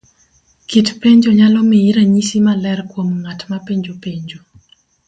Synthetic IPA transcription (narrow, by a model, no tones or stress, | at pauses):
kitpeɲd͡ʒoɲalɔmiiɾaɲisimalɛrkwomŋatmapeɲd͡ʒopeɲd͡ʒo